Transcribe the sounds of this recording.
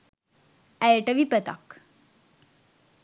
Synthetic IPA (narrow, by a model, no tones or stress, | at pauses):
ɛjʈəʋipət̪a̰k